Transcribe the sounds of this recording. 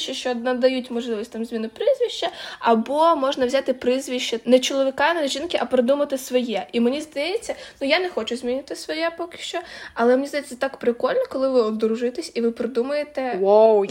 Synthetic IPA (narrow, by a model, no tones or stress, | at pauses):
ʃt͡ʃːɐʃt͡ʃɔnɐd̪ɐjutʲmɔʒlˠɪʋɔsʲtʲt̪amzʲminʊpɾɪzʲʋʲiʃt͡ʃɐɐbɔmɔʒnɐʋzʲat̪ɪpɾɪzʲʋʲiʃt͡ʃːɐnɛt͡ʃɔlˠɔʋʲɪkɑnɛʒʲinkɪʔɐpɾɪd̪umɐt̪ɪsʋɔjɛʔimenʲizd̪ɐjɛt͡sʲːɐnʊjanɛxɔt͡ʃʊzʲmʲinʲɪt̪ɪsʋɔjɛpɔkɪ̥ʃt͡ʃɔɐlˠɛmenʲizd̪ɐjɛt͡sʲːɐt̪ɑkpɾɪkɔlʲnɔkɔlˠɪʋɪɔd̪ɔɾʊʒʊɪjɪt̪ɪsʲiʋɪpɾɪd̪umɐjet̪ɛwow